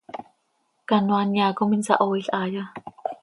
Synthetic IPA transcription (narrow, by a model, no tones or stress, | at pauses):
kanoanjaːkominsa̰ʔoiɬʔaːja